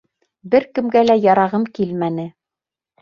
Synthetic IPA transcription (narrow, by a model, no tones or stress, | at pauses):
bɘɾkɘ̆mɡælæjɑɾɑʁɤmkilmænɘ